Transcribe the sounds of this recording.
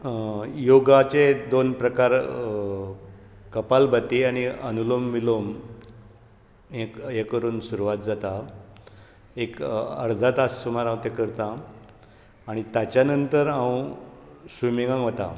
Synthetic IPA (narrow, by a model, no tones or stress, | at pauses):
joɡat͡sed̪onpɾəkaɾ | kəpalbət̪iaɽ̃iənulomːilom | ẽkɦekəɾuːnsuɾuʋat̪̚d͡zat̪a | ekə̰ɾd̪ʱat̪asːumaɾãwt̪ekəɾt̪a | ɽ̃it̪jat͡ɕjanənt̪əɾãw | sumiŋɡãŋʋət̪a̰